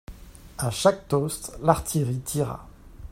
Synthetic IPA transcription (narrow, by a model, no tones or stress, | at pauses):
aʃak̚t̪ɔst̪laʁt̪ʰiʁit̪ʰiʁa̰